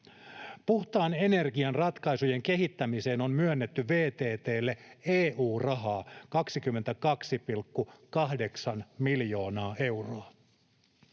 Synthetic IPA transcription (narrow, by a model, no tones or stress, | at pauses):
puht̪ɑːne̞ne̞rɡiɑnrɑt̪kɑjsuje̞ŋke̞ɦit̪ːæmise̞ːno̞nmyønːe̞t̪ːyʋe̞ːt̪e̞ːt̪e̞ːlːeeːʔuːrɑɦɑːkɑksikymːe̞nt̪ækɑksipilkːukɑhde̞ksɑnmiljo̞ːnɑːe̞wroɑ